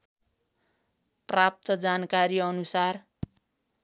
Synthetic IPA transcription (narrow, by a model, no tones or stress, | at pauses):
prap̚t̪ʌd͡zankaɾiʌnusar